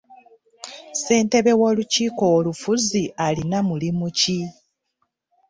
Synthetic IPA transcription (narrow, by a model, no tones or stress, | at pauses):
se̞ːnte̞βe̞wo̞ːluciːko̞olufuzialinamulimuci